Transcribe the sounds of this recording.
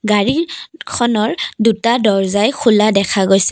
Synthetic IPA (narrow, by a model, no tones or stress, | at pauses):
ɡaɹikʰɔnɔɹdutadɔɹzajkʰuladɛkʰaɡojsɛ̥